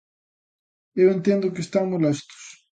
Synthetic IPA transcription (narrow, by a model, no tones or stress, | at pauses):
ewẽnt̪end̪ʊkɪst̪aŋmulɛst̪ʊ̥s